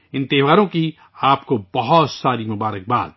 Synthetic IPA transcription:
ɪ̃nt̪ɪʋaːɾõki | aːpkobɐɦɔt̪saːɾimʊbaːɾək̚ba̰ːd̪

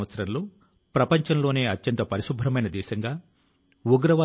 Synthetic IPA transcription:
ɐt̪sɐɾɐnloː | pɾɐpɐɲt͡ʃɐnlo̞ːne̞ːɐtːjɐnt̪ɐpɐɾiʃubʱːɾɐmɐjnɐd̪ɛːʃɐŋɡaː | uɡɾɐʋɐ

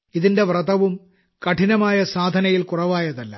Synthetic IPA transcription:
iðinde̞ʋrɐðɐʋum | kɐʈʰinɐmaːjɐsaːd̪ʱɐnɐjilkurɐʋaːjɐðɐlːɐ̰

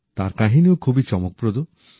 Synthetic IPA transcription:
t̪aɾkaɦiniokʰubit͡ʃɔmok̚pɾod̪o

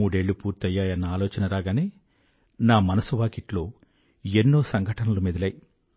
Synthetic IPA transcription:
uːɽe̞ːɭːupuːɾt̪ɐjːaːjɐnːɐaːlɔːt͡ʃɐnɐɾaːɡaːneː | naːmɐnɐsuʋaːkiʈloː | enːo̞ːsɐŋɡʱɐʈɐnɐlumed̪ilɐːji

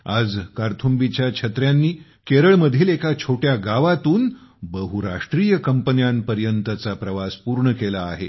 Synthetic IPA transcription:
ad͡zkaɾt̪ʰumbit͡ɕjakʰət̪ɾjanːiː | keɾəɭməd̪ʱiːlekat͡ɕʰoʈjaɡaʋat̪uːnbəɦuɾaʂʈɾijəkəmpənjanpəɾjənt̪ət͡sapɾəʋaspuɾɳəkelaːɦḛ

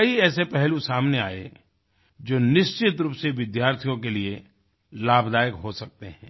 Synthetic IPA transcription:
kɐiɛːsepɛɦlusaːmnea̰ːḛ | d͡ʒoːnɪʃt͡ʃɪt̪ɾuːpseʋɪd̪jaːɾt̪ʰijõk̬elie | laːbʱd̪aːjəkɦosɐk̚t̪eɦɛ̃ː

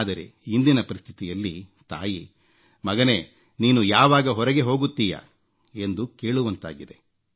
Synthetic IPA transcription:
d̪ɐɾḛind̪inɐpɐɾist̪ʰit̪ijɐlːit̪a̰ːji | mɐɡɐne̞ | niːnujaːʋaːɡɐɦɔɾɐɡe̞ɦo̞ːɡut̪ːiːjɐ̰ | e̞nd̪uke̞ːɭuʋɐnt̪a̰ːɡid̪e̞

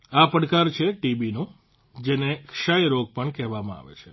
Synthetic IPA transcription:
apəɽkaɾt͡ʃʰeʈibinũ | d͡ʒenekʃajɾoɡ̚pəɳkɛɦʋamãa̰ʋḛt͡ʃʰe

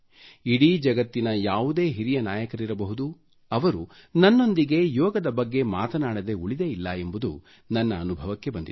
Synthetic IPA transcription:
iɽiːd͡ʒɐɡɐt̪ːinɐjaːʋud̪e̞ːɦiɾijɐnaːjɐkɐɾiɾɐbɐɦud̪u | ɐʋɐɾunɐnːo̞nd̪iɡe̞jɔːɡɐd̪ɐbɐɡːe̞maːt̪ɐnaːɽɐd̪e̞uɭid̪eilːɐe̞mbud̪ṵ | nɐnːɐːnubʱɐʋɐkːe̞bɐnd̪ḭ

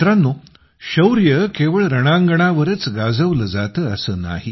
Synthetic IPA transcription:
ɾanːo | ɕəwɾjəkeʋəɭɾəɽ̃aŋɡəɳ̃aʋəɾət͡sɡad͡zəʋləd͡zat̪əːəsəːna̰ɦi

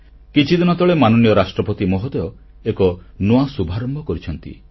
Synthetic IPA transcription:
kit͡ʃʰid̪inɔt̪ɔɭemanɔnijɔɾasʈɾɔpɔt̪imɔɦɔd̪eɔ | ekɔnoasubʱaɾɔmbʱɔkɔɾit͡ʃʰɔnt̪ḭ

